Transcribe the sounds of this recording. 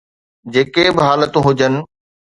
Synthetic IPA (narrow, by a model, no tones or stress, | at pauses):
d͡ʑeːkebɪɦaːlət̪ũɦʊd͡ʑənɪ̆